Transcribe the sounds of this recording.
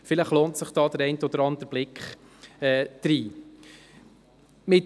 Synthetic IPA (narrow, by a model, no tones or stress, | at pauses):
fɪləχloːntsəχd̥ɑːd̪̥əɾɛɪntəɔd̪əɾɑnd̪əɾb̥lɪkχ | ɛːd̪̥ɾiː | mɪt